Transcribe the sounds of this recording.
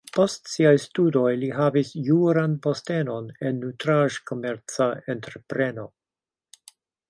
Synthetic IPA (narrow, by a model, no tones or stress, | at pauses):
po̞stsiajstudo̞jliɦavisjuɾanpo̞ste̞no̞nenːutɾaʒko̞meɾt͡saentɾe̞pɾe̞no̞